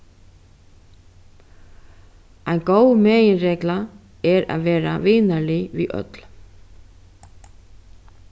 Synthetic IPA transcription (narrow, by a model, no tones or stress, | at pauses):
ajnkoːwmɛːjɪnɾeːkla | ɛɾa̰ðvɛːɾa̰vɪːnalɪviʔœ̰t̪l̥